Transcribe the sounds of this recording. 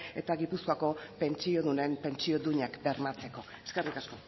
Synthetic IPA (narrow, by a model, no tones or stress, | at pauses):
et̪aɣipuskoako̞pe̞nt͡ʃio̞ðune̞mpe̞nt͡ʃio̞d̪uɲakbe̞ɾmat͡se̞ko̞e̞skerikasko̞